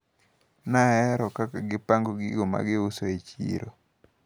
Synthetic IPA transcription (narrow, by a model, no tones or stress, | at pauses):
naɛɾɔkakaɡɪpaŋɡoɡiɡoma̰ɡɪusoet͡ʃḭɾo̰